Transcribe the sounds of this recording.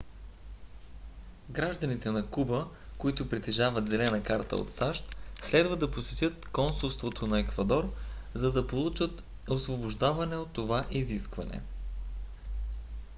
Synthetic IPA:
ɡɾaʒd̪ənit̪ɛnɐkubə | koit̪ʊpɾit̪ɛʒavət̪zɛlɛnɐkaɾt̪ə̰o̰t̪saʃt̪slɛd̪vəd̪ɐposɛt̪ʲjət̪kɔnsulˠst̪vot̪ʰonɐɛkvɐd̪ɔɾ | zɐd̪ɐpolˠut͡ʃət̪ | osvoboʒd̪avɐnɛot̪ːovaʔiziskvɐ̰nɛ̰

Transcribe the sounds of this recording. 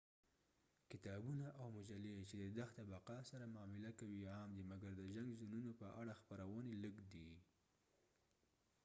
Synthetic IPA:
kɪt̪ɑbunaʔawmʊd͡ʒalet͡ʃed̪əd̪axt̪abaqɑsaɾamɑmɪlakawiamd̪imaɡaɾd̪əʒaŋɡzununopəʔaɽaxpəɾawəneləɡd̪i

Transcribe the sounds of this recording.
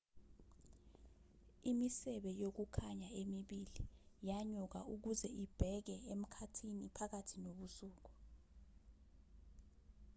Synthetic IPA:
imisɛɓɛjok̬ukʰaɲaemiɓilijaɲuk̬a̰uk̬uzɛʔib̥ʱɛk̬ɛem̩kʰatʰinipʰak̬atʰinoɓusuːk̬u̥

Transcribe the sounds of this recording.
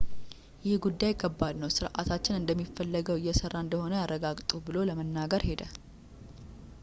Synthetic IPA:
jɪhɡud̪ːajɪkʰːəbːad̪nəwsɨɾʔa̰t̪ʰat͡ʃːɪnɨnd̪əmːifːəlːəɡəwɪjːɛsərːaɨnd̪əho̞nəjarːəɡaɡt̪ʼubɨlo̞ləmənːaɡəɾhe̞d̪ə

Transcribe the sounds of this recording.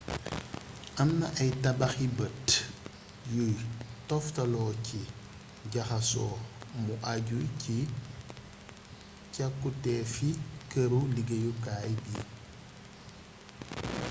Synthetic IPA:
ʔɐmnɐʔɐjtɐbɐxibət | jujtɔftɐlɔci | ɟɐxɐsɔːmuʔaɟujci | cakːutɛːfikəɾuliɡɐjukaːjbi

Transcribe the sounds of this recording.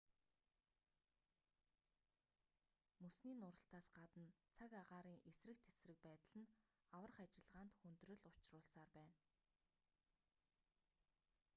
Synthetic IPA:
mɵsniːnʊɾə̆ɬt̪aːsɢat̪ə̆nt͡sʰakaʁaːɾiːŋʔesrɘ̆k̚t̪ʰesrɘ̆k̚pæːt̪ə̆ɮɘ̆n | awə̆rχat͡ɕɪ̆ɮʁaːnt̪xɵnt̪rɵ̆ɮʊt͡ɕrʊːɮsaːrpæːn

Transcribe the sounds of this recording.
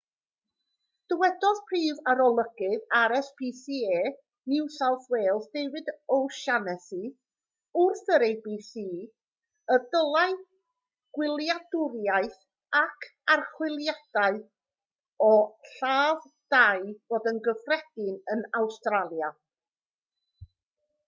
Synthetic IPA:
d̥əwɛdɔðpʰriːvaɾɔlˠəɡ̥ɨðaɾɛsb̥iːsieː | nɪwsalˠθweːlˠθdejwɨdowʃanɛsi | ʊrθəɾejbiːsi | ədəlˠaɨ | ɡ̥wɪlˠjadʊrjaɨθ | akʰarχwɪlˠjad̥aɨ | ɔɬaːv | d̥aɨv̥oːdənɡəfrɛd̥ɪnənawstralˠja

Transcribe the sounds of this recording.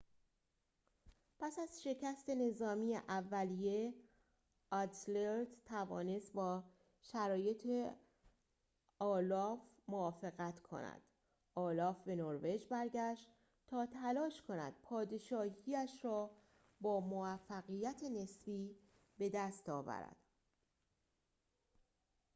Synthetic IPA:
pʰæsæz̥ʃe̞cʰæst̪e̞ne̞zɒːmijḛʔævːælije̞ | ɒt̪leɾd̪t̪ʰævɒ̰ːne̞st̪̚bɒː | ʃæɾɒːje̞t̪ʰe | ɒːlɒːf | movɒːfe̞ɣæt̪ʰkʰo̞̰næ̰d̪̥ | ʔɒːlɒːfbe̞noɾve̞d͡ʒbæɾɟæʃt̪ | t̪ʰɒːt̪ʰælɒːʃkʰo̞næ̰d̪̥̚pʰɒːd̪e̞ʃɒːhiæʃrɒː | bɒːmovæfːæɣijæt̪ʰe̞ne̞sbiː | be̞d̪æst̪ɒːvæ̰ɾæ̰d̪̥

